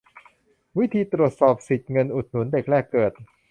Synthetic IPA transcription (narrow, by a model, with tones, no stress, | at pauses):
wi˦˥t̪ʰiː˧t̪ɾu˨˩ət̪̚sɔː˨˩p̚si˨˩t̪̚ŋɤ˧nʔu˨˩t̪̚nu˨˩˦nde˨˩k̚ɾɛː˥˩kːɤː˨˩t̪̚